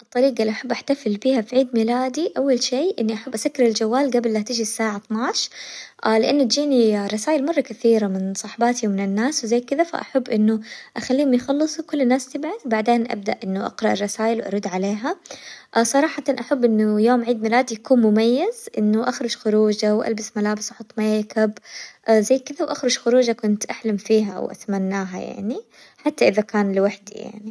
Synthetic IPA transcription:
ʔɨt̪ˤːɑɾiːqɑliʔaħabːʔaħt̪afɪlbiːhafiʕiːd̪milaːd̪iʔawːalʃeːʔɪnːiʔaħabːʔasakːɪɾɪld͡ʒawːaːlɡabɪlːat̪ɪd͡ʒisːaːʕat̪ˤnɑːʃʔlɪʔanːʊt̪d͡ʒiːnirˤːɑsaːjɪlmɑrˤːɑkaθiːɾamɪnsˤɑħbɑːt̪iwmɪnɪnːaːswzajːkɪðafa̰ʔa̰ħabːʔɪnːʊʔaxalːiːhʊmjxɑlːɨsˤukʊlːnːaːst̪ɪbʕaθbaʕd̪eːnʔa̰b̚d̪aʔʔɪnːʊʔɑ̰qɾˤɑʔɪrˤːɑsaːjɪlwʔɑ̰ɾˤʊd̪ːʕaleːɦa | sˤɑɾˤɑːħɑt̪ɑnʔaħabːʔɪnːʊjoːmʕiːd̪mɪlaːd̪jakuːnmʊmajːɪzʔɪ̰nːʊʔaxɾˤʊd͡ʒxʊɾuːd͡ʒawʔa̰lbɪsmalaːbɪsʔɑħʊt̪ˤːmajkabzajːkɪðawʔaxɾʊd͡ʒxʊɾuːd͡ʒakʊnt̪ʔaħlamfiːɦa̰wʔa̰t̪manːaːɦaja̰ʕni | ħat̪ːaʔɪðakaːnlɪwaħd̪ḭja̰ʕni

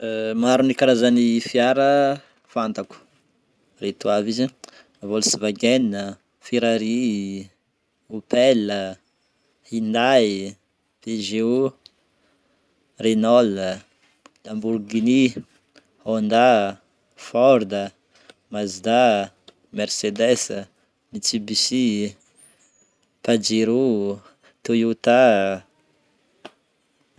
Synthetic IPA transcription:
maɾunikaɾazanifiaɾə | fant̪aku̥ | ret̪uavizi | avolusivaɡenə | feɾaɾi | upɛlə | hind̪ai | feʒeu | renɔlə | lamburɡini | hond̪a | fɔɾd̪ə | mazd̪a | mɛrsed̪ɛsə | mit͡sibisi | pad͡ʒeɾu | t̪ujut̪a

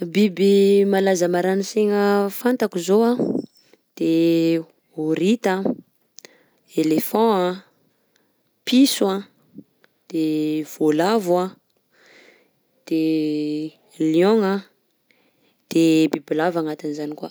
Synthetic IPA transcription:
bibimalazəmaɾaniseŋəfant̪akuzoã | d̪̥e | oɾit̪ə | elefɔ̃a | pʰisuã | d̪̥ev̥olavwã | d̪̥e | ljɔ̃ŋa | d̪̥ebibilavaŋat̪inizanikua

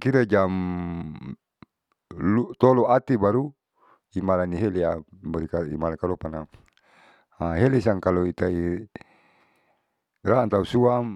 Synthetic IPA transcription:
kiɾed͡ʒam | lut̪oloat̪ibaɾu | imalaniɦeleamɔɾikaḭmalakalopana | aɦelesaŋkaloit̪ai | rant̪ausuam

